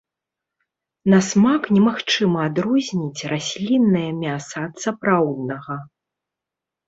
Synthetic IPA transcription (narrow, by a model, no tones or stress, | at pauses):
nɐsmaknʲɛmaxt͡ʂɨmɐːd̪ɾuzʲnʲit͡sʲrasʲlʲinːɐjɐmʲasɐːt̪sapɾawd̪̚nɐɣɐ